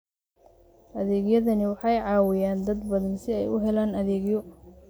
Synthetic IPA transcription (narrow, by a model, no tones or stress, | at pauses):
ʔɐðɛːɣjɐðɐnɪwɑħɑjʕɑːwɪjaːnd̪ɐd̪bɐðɐnsɪɛjʊ̰ɦɛlaːnɐðɛːɡjɔ